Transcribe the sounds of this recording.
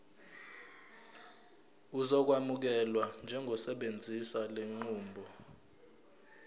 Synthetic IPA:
uzɔk̬wamuk̬ɛlwand͡ʒʱɛŋɡʱɔsɛɓend͡zʱisaleŋ͡ǃuːmbʱɔ

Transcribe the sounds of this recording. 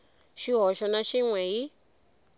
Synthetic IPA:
ʃiɦɔʃɔnaʃiŋwɛɦi

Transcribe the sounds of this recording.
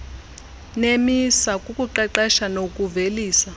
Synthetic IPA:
nemisakʼukʼuǃɛǃɛʃanokʼuveliːsa

